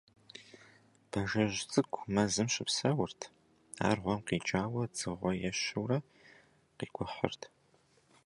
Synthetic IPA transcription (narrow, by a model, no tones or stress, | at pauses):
b̥ɐʒɐʑt͡sʼɨkʷʰʼmɐzɨmʃɪpsɐwʊrtʰ | a̰ːrʁʷɔmqiːt͡ʃʼaːwɐd͡zʼɨʁʷɔjɛʃɨwrɐ | qiːɡʷʊħə̰rtʰ